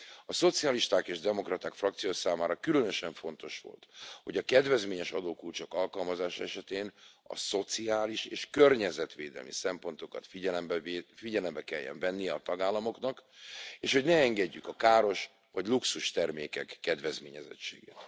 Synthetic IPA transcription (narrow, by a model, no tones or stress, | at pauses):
ɒso̞t̪sijɒliʃt̪aːkeːʒd̪ɛmo̞krɒt̪aːkfrɒk̚t̪sijoːsaːmaːɾɒkylønø̞ʃɛɱfo̞nt̪o̞ʃʋo̞̰lt̪ho̞ɟɒkɛd̪vɛzmeːɲɛʃɒd̪oːkult͡ʃokɒlkɒlmɒzaːʃɒɛʃɛt̪eːnɒ̰so̞t̪siaːliʃeːʃkørɲɛzɛt̪ʋeːd̪ɛ̰lmḭsɛmpo̞nt̪o̞kɒ̰t̪fiɟɛlɛmbfiɟɛlɛmbɛkɛjːɛ̰ɱvɛnːijɛɒt̪ɒɡaːlːɒmo̞knɒkeːʃho̞ɟnɛɛŋɡɛɟːykɒkaːɾo̞ʃ | vɒɟluksuʃt̪ɛrmeːkɛkːɛd̪vɛzmeːɲɛzɛ̰t͡ʃːḛːɡḛːt̪